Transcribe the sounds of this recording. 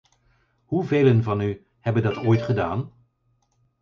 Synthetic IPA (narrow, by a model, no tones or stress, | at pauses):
ɦuveːlənvɑny | hɛbəndɑtoːjtχədaːn